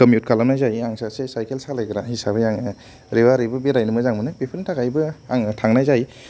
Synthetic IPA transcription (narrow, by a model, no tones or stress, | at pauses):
kəmjut̚kʰalamnajzajaŋsasesajkʰelsalejkɯɾaɦisabɯjaŋ | ɾewaɾibɯbiɾajnɯmɯzaŋmɯnɯbepʰɯntʰaɡajbɯaŋtʰaŋnajzaj